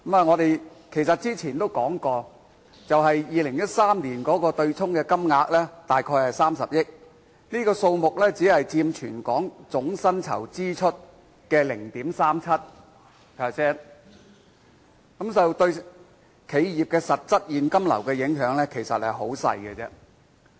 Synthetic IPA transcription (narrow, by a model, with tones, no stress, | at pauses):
kmaː˨˧ŋɔː˨˧t̪e˨jkʰe˨˩jsɐ˨t̚t͡siː˥t͡sʰiː˨˩nt̪o˥wkɔː˨˥ŋkɔː˧ | t͡sɐ˨wɦɐ˨jjiː˨˧lɪ˨˩ŋjɐ˥t̚saː˥mniː˨˩nkɔː˨˥kɔː˧t̪ɵ˧ɥt͡sʰʊ˥ŋkɛː˧kɐ˥mŋaː˨˧k̚lɛː˥t̪aː˨jkʰɔː˧jhɐ˨jsaː˥msɐ˨p̚jɪ˥k̚ | niː˥kɔː˧so˧wmʊ˨k̚lɛː˥t͡siː˨˥hɐ˨jt͡siː˧mt͡ʃʰyː˨˩nkɔː˨˥ŋt͡sʊ˨˥ŋsɐ˥nt͡sʰɐ̰˨˩wt͡siː˥t͡ʃʰɵ˥t̚ | kɛː˧lɪ˨˩ŋt̪iː˨˥msaː˥mt͡sʰɐ˥t̚ | pʰɛ˨˧sɛː˥n | kɐ˨˥mt͡sɐ˨wt̪ɵ˧ɥ | kʰe˨˧jjiː˨˩p̚kɛː˧sɐ˨t̚t͡sɐ˥t̚jiː˨nkɐ˥mlɐ̰˨˩wkɛː˧jɪ˨˥ŋɦœː˨˥ŋlɛː˥kʰe˨˩jsɐ˨t̚hɐ˨jɦo˨˥wsɐ̰˧jɡɛ˧t͡sɛː˥